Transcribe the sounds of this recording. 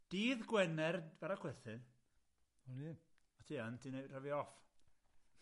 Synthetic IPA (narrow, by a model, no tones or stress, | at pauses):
d̥iːðɡwɛnɛrv̥aɾakʰwɛθɨn | ɔni | atʰiːantʰined̥rəviɔf